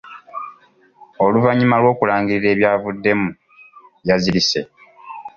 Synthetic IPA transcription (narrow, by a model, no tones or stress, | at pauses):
oluvaɲːimalwo̞ːkulaːŋɡiɾiɾe̞ːβjaːvudːe̞mu | jazilise̞̰